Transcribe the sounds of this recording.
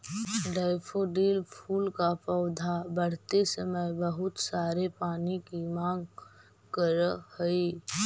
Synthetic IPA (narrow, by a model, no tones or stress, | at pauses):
ɖaːɪpʰoːɖiːlpʰuːlkapɔʊd̪ʱabəɽ̤t̪esəməjbɐɦʊt̪saːɾepaːnikimãːŋɡ | kəɾhəi